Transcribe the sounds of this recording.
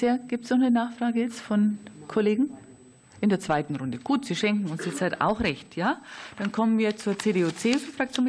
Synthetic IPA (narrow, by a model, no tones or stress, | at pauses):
eːɐɡ̥iːp̚tsnɔχnənaːxfʁ̥aːɡəjɛt͡stfɔnkʰoleːɡŋ̩ | ʔɪndeːɐt͡sv̥aɪtn̩ʁʊndəɡ̥uːtz̥iːʃɛŋkŋ̩ʊnsjɛt͡shata̰ʊxʁɛçtjaːd̥ankʰɔmənviːɐt͡suːɐt͡seːdeːuːt͡seːffʁ̥ak̚t͡sjoːnm